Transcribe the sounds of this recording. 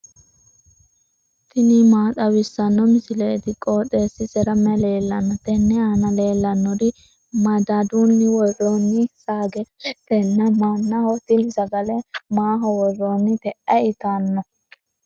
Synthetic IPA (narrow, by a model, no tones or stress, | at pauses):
t̪ɪnɪmaːt̪ɐwɪsːɐnːɔmɪsɪleːt̪ɪkʼoːt̪ʼːeːsːɪsɛɾɐmɛle̞ːlːɐnːɔt̪ɛnːɛaːnɐle̞ːlːɐnːɔd̪ɪ | mɐd̪ad̪unːɪwɔrːɔnːɪsaːɡɛt̪ɛnːɐmaːnːɐhɔt̪ɪnɪsɐɡɐlɛmaːɦɔwɔrːɔnːɪt̪ɛʔːɐɪt̪aːnːɔ